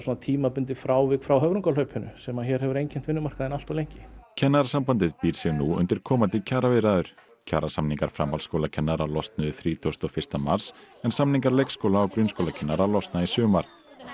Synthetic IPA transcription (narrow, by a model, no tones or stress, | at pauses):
suːnat̪ʰiːmapʏnt̪ɪfɾaːwvɪkfɾawɦœvɾʏŋkalœɥpʰʏnʏ̰sɛmaçɛɾɦɛvʏɾejɲcʰɪn̥t̪vɪnːʏmar̥kaðɪnal̥t̪awlejɲcɪ̥cʰɛnːaɾasampant̪ɪðpiɾ̥sjɛɣnuʏ̰nt̪ɪɾ̥kʰɔːmant̪ɪcʰaːɾavɪɾaðʏɾ̥ | cʰaːɾasamniŋkaɾ̥fɾamalskowlacʰɛnːaɾalɔst̪nʏðʏθɾiːt̪ʰowst̪ɔɣfɪr̥st̪ama̰ɾ̥s | ɛnsamniŋkaɾlejkskowlaːwkɾʏnskowlacʰɛnːaɾalɔst̪naisʏːɣʏmaɾ